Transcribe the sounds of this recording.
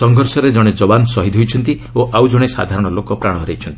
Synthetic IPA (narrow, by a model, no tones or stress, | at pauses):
sɔŋɡʱɔɾsɔɾed͡ʒɔɽ̃ed͡ʒɔbansɔɦid̪ʱɦojt͡ʃʰɔnt̪ioʔawd͡ʒɔɽ̃esa̰d̪ʱaɾɔɽ̃ɔlokɔpɾaɽ̃ɔɾejt͡ʃʰɔnt̪i̥